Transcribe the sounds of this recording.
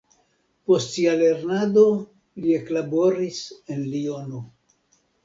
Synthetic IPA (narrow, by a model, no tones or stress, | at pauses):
po̞stsiale̞ɾnad̪o̞ | lie̞klabo̞ɾise̞nlio̞no